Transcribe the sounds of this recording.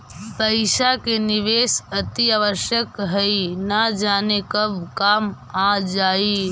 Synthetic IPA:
pəɪʃakenɪʋeːsɐt̪iaːʋəɾʃjəkɦəinad͡ʒaːnekɐbkaːm | aːd͡ʒaːi

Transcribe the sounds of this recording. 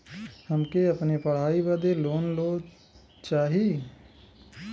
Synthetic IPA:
hɐmkeɐpnepɐɽ̤aːibəd̪eloːnloː | t͡ʃaːɦie

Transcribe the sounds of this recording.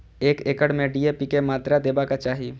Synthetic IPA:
eːkeːkəɽmẽɖiːepikemaːt̪ɾad̪eːbakat͡ʃaːɦi

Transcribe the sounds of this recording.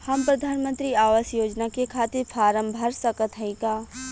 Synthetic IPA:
hɐmpɾɐd̪ʱaːnmə̃nt̪ɾiaːʋəsjoːd͡ʒnakekʰaːt̪ɪɾpʰaːɾəmbʱɐɾsɐkət̪ɦɐĩkaː

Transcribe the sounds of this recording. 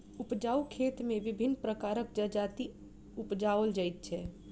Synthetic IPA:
upd͡ʒaukʰet̪meʋibʱinːpɾəkaɾəkd͡ʒəd͡ʒat̪i | upd͡ʒaəld͡ʒajt̪̚t͡ʃʰɛ

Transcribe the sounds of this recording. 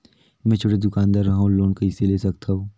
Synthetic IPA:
mɛ̃ːt͡ʃʰoːʈed̪ʊkaːnd̪aɾːɐɦaũloːnkɐiseleːsɐkt̪ʰaoː

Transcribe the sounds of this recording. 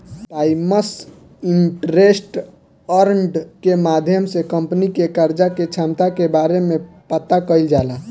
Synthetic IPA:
paiməs | iɳʈɾesʈ | əɾɳɖkemad̪ʱjəmsekəmpnikekəɾd͡ʒaket͡ʃʰamt̪akebaɾemepət̪akəɪld͡ʒala

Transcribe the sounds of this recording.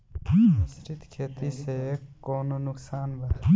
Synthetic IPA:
sɾɪt̪kʰeːt̪isekoːnonʊksaːnbʱɐ

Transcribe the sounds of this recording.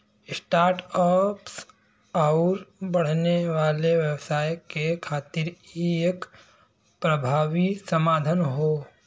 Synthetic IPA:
ɪsʈaːɾʈɔːps | aʊɾbɐɽ̤neʋaːleʋəwsaːjkekʰaːt̪ɪɾiek | pɾəbʱaːʋisəmaːd̪ʱənɦoː

